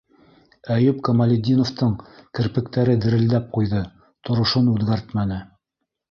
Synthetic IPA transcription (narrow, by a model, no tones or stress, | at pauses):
æjɵpkɐmalʲɪd̪ʲinoft̪ɤɴkɘ̆ɾpɘ̆k̚t̪æɾɘd̪ɘ̆ɾɘ̆ld̪æp̚qujðɤ | t̪ŏɾŏʃonʉðɡæɾt̪mænɘ